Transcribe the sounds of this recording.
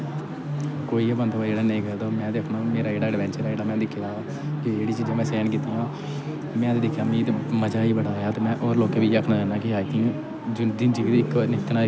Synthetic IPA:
koːiːeːbənd̪ʋaːd͡ʒeːɽaːnəĩːkəd̪oːmɛ̃ːd̪eːkʰnaːmeːɾaːd͡ʒeːɽaːɖɪʋɛ̃ːnt͡ʃəɾːd͡ʒeːɽaːmɛ̃ːd̪ɪkʰːɪjaː | kɪd͡ʒeːɽiːt͡ʃiːd͡ʒãːmɛ̃ːsɛːnkiːt̪iːjãː | mɛ̃ːt̪eːd̪ɪkʰːjaːmĩːt̪eməd͡ʒaːiːbəɽaːjaːt̪eːmɛ̃ːʔoːɾloːkeːbiːakʰnaːd͡ʒaːnaːkɪɦaːit̪ɪ̃ː | d͡ʒd̪ɪnd͡ʒiːʋiːd̪ːɪknɪk̪ːnaː

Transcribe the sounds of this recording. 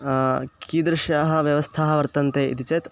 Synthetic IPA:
kiːd̪ɾɐʃaːɦɐ̆ʋjɐʋɐst̪ʰaːɦɐʋɐɾt̪ɐnt̪eːʔḭt̪it͡ʃeːt̪

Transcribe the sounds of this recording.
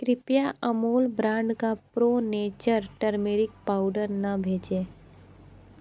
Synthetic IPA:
kɾɪpjaʔəmoːlbɾãːɳɖkapɾoːneːt͡ʃəɾʈəɾmeːɾɪk̚paːʊɖəɾnɐbʱeːd͡ʒeː

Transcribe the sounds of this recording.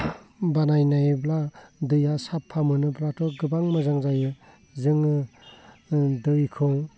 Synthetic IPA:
banajnajbladɯjasapʰːamɯnɯbɾatʰɔɡɯbaŋmɯzaŋzajɯ | zɯŋɯ | dɯjkʰɯŋ

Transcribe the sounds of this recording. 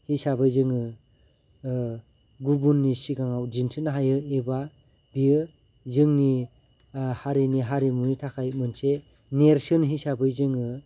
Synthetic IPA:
hisabɯjzɯŋɯ | ɡubunːisiɡaŋawd͡ʒintʰɯnɦajɯeba | bijɯ | zɯŋni | haɾiniɦaɾimunitʰakʰajmɯnse | neɾsɯnɦisabɯjzɯŋɯ

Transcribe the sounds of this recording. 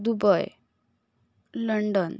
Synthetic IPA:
d̪ubɔj | lɔɳɖɔn

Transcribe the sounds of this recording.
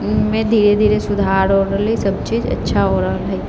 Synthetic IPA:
mɛ̃d̪ʱiːɾed̪ʱiːɾesʊd̪ʱaːɾɦoːəlisɐbt͡ʃiːd͡ʒɐ̰tːʃʰaɦoːɾali

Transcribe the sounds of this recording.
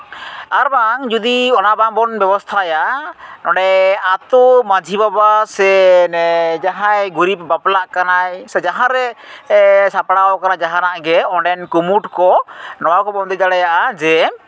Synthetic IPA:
aɾbaŋd͡ʒud̪iɔnabaŋbɔnbɛbɔst̪ʰajanɔɖɛat̪ɔmad͡ʒʱibabasɛnɛd͡ʒaɦajɡuɾibbaplaʔkanajsɛd͡ʒaɦãɾɛ | sapɽawɔkanad͡ʒaɦanaʔɡɛɔɖɛnkumuʈkɔnɔwakɔbɔmd̪ɔd͡ʒaɽajaʔad͡ʒɛ

